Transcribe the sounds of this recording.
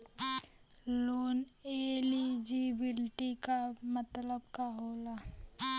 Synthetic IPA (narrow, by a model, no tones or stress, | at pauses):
loːneːlid͡ʒibɪlʈikamət̪ləbkaɦoːla